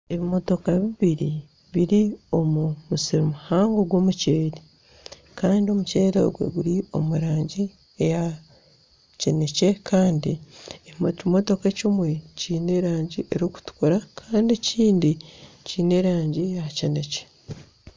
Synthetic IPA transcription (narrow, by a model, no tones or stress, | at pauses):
e̞βimo̞to̞kaβiβiɾi | βiɾio̞mumusiɾomuhaːŋɡoɡwo̞ːmuceːɾe | kaːndio̞muce̞ːɾo̰ɡwḛɡuɾio̞̰muɾaːɲɟi | eja | cene̞ce̞kʰaːndieβiomo̞to̞kecimwe̞ciːne̞ɾaːɲɟiʔe̞ɾoku̥tu̥kuɾakʰaːndieciːndiciːne̞ɾaːɲɟijacene̞ce̥